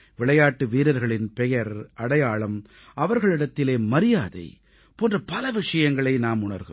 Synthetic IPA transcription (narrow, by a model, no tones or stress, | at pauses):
ʋɪɭɐjaːʈːɯʋiːɾɐɾɣɐɭɪnpɛjɐɾʔɐɽɐjaːɭɐm | ʔɐʋɐɾɣɐɭɪɽɐt̪ːɪleːmɐɾɪjaːðɐ̰ɪ | poːndrɐpɐlɐʋɪʂɐjɐŋɡɐɭɐɪnaːmʊɳɐɾɣɯ̰m